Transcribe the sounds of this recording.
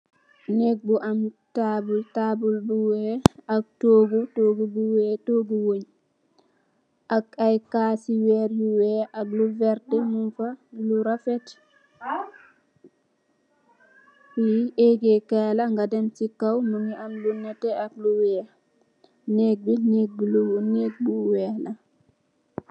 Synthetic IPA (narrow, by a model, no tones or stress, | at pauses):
neɡ̚buʔamtabultabulbuwɛak̚toɡutoɡubuwɛtoɡuwoɲ | ʔakajkasiwɛɾjuwɛʔakluvɛɾtɛmunfaluɾafɛt | wieɡɛkɛːlaŋɡadɛmsikːawnuŋiʔanlunːɛtɛakluwɛ | neɡ̚bɛneɡ̚blunek̚buwɛla